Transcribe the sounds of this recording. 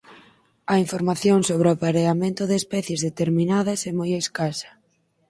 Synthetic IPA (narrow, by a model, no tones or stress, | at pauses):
ɐiɱfoɾmaθjoŋsoβ̞ɾɪapaɾeamẽnt̪ʊðeːspɛθjezðet̪eɾmĩnaðɐsɛmojeskasɐ̥